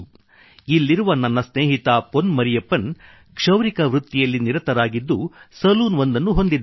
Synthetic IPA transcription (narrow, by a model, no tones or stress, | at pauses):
ilːiɾuʋɐnːɐnːɐsneːɦit̪aponmɐɾijɐpːɐn | kʂɐʋɾikɐʋɾut̪ːijɐlːiniɾɐt̪ɐɾaːɡid̪ːusɐluːnʋond̪ɐnːuɦo̞nd̪id̪